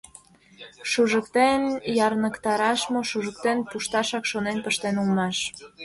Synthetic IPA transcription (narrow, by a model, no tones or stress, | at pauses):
ʃuʒəkt̪enjɑrnəkt̪ɑɾɑʃmoʃuʒək̚t̪enpuʃt̪ɑʃɑkʃonenpəʃt̪enulmɑʃ